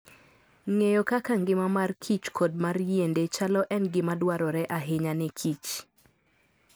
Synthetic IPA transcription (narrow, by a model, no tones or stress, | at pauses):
ŋejokakaŋɡɪmamarkʰit͡ʃkʰod̚marjendet͡ʃalɔʔɛnɡɪmadwaɾɔɾɛʔaɦɪɲanɛkʰit͡ʃ